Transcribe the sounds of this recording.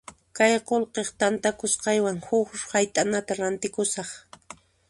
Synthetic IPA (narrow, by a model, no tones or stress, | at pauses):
kajqolqeχt̪ant̪akʊsqɑjwaŋhʊkhajt̪ʼanat̪aɾant̪ɪkʊsɑχ